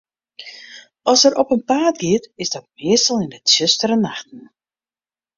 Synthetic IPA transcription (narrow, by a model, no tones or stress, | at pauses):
ɔsəɾʔɔpənpaːt̚ɡɪtɪzdɔt̚mɪəstəlˠɪndətsøstəɾənaxtən̩